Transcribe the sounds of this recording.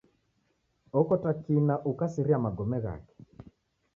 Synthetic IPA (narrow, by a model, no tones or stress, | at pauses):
ɔkɔtakinaʔukasiɾiamaɡɔmɛɣa̰kɛ̥